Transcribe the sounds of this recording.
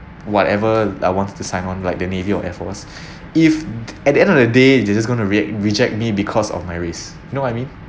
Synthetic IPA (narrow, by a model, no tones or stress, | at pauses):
wɔtɛvəa̰jwɔ̃nttːusãɪnɔ̃nlaɪk̚dəneviɔʔɛfɔs | ifɛt̚dəɛ̃ndɔfdədedɛd͡ʒas̬ɡõɪ̃ntuɹiɛkɹid͡ʒɛk̚t̚mibikʰɔsɔ̰fmajɹes | junowɔtaɪmĩn